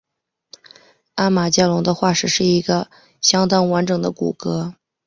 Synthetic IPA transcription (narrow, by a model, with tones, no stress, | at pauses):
a˥ma˨˩t͡ɕja˥˩lʊ˧˥ŋd̪ə˧xwa˥˩ʂɻ̩˨˩ʂɻ̩˥˩i˧˥ɡə˧ | ɕjɑ˥ŋt̪ɑ˥ŋwa˧˥nʈ͡ʂɤ˨˩ŋd̪ə˦kṵ˨˩kɤ˧˥